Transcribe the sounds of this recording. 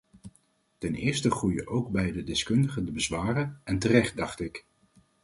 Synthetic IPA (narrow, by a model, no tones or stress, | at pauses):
tɛnɪːɹstəχrujə̰ʔowɡ̚bɛjdədɪskɵndəχəndəbəzʋaːrənɛntərɛχt̚dɑχtɪk